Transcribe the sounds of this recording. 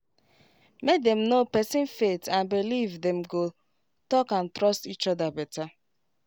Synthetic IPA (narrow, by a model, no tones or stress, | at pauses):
mek̚dɛ̃m̩nopɛsɪ̃nfetãnbilivdɛ̃m̩ɡo | tɔkãntɾɔstit͡ʃɔdabɛta